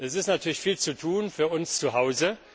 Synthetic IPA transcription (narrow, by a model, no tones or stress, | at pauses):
ʔɛsɪstnatʰyːɐlɪçfiːlt͡sutʰuːnfyːɐʔʊnst͡suɦaʊzə